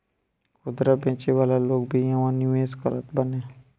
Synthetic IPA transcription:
kʊd̪ɾabɛ̃ːt͡ʃeʋaːlaloːɡbʱijɐʋãnuʋeːskəɾət̪bənẽː

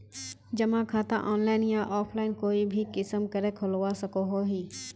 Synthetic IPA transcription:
d͡ʒɐmãkʰaːt̪ã̰ʔɔːnlaːɪnjãʔɔːpʰlaːɪnkoːibʱikɪsəmkəɾẽkʰʊlwasɐkoɦoɦiː

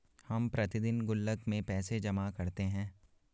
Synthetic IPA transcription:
hɐmpɾɐt̪ɪd̪ɪnɡʊlːəkmẽpɛːsed͡ʒɐmakɐɾt̪eɦɛ̃ː

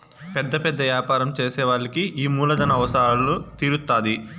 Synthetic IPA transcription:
pɛd̪ːɐpɛd̪ːɐʋjaːpaːɾɐmt͡ʃeːsɛːʋaːɭːikiʔiːmuːlɐd̪ɐnɐːʋɐsɐaːlut̪iɾut̪ːaːd̪i

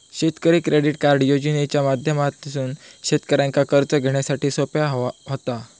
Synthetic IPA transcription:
ɕet̪kəɾiːkɾeɽiʈkaɾɖjod͡ʑnet͡ɕjamad̪ʱjəmat̪̚ːisuːnɕet̪kəɾjãŋkakəɾt͡səɡʱeɽ̃jasaʈiːsopjaɦɦot̪a

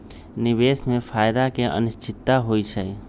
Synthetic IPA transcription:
nibesmẽpʰaːjd̪akeʔə̰nɪst͡ʃɪt̪ːaɦojt͡ʃʰɛ

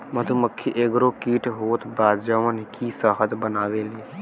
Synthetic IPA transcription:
məd̪ʱuməkʰːiʔeɡɾokiːʈʰɦoːt̪baːd̪d͡ʒəʋənkisəɦət̪bənaːʋelie

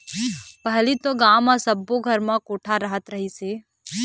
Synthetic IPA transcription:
pɐɦlit̪oɡaːmãsəbːoɡʱəɾmãkoːʈʰaɾəɦət̪ɾɐɦiseː

